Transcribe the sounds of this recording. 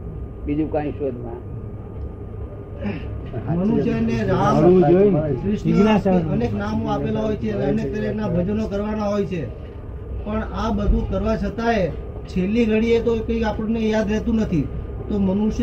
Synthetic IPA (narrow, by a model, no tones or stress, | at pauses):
bid͡ʒũkãĩʃod̪ʱmã | mənuʃjeneɾaɦaɾd͡ʒoikɾɪʃnəneknamoapelaɦojt͡ʃʰeneənek̚t̪əɾiknabʱəd͡ʒnokəɾʋanaɦojt͡ʃʰe | pəɳabəd̪ʱũkəɾʋat͡ʃʰət̪ae | t͡ʃʰelːiɡʱəɽiet̪okəiapəɳnejad̪ɾɛɦt̪ũnət̪ʰit̪omənuʃ